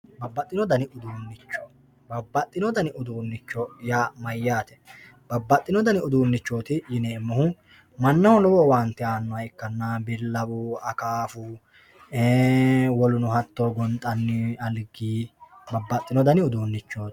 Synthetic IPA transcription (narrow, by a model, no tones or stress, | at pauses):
bɐbːɐt̪ʼːɪnɔd̪ɐnɪʔʊd̪uːnːɪt͡ʃːɔ̥ | bɐbːɐt̪ʼːɪnɔd̪ɐnɪʔʊd̪uːnːɪt͡ʃːɔjaːmɐjːaːt̪ɛ̥ | b̥ɐbːɐt̪ʼːɪnɔd̪ɐnɪʊd̪uːnːɪt͡ʃːoːt̪ɪjɪneːmːɐhʊ | mɐnːɐhʊlɔwɔwant̪ːɪaːnːɔɐjɪkːɐnːabɪlːɐbʊɐkaːfʊ | eːwɔlʊnʊhɐt̪ːɔɡɔnt̪ʼːɐnːɪɐlɡiːbɐbːɐt̪ʼːɪnɔd̪ɐnɪʊd̪uːnːɪt͡ʃːoːt̪